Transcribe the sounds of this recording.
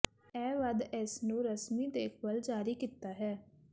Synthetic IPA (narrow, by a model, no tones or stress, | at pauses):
ɛːʋəd̪ɛsnũːɾəsmiːd̪eːkʰbəld͡ʒaːɾiːkiːt̪ːaːɦɛː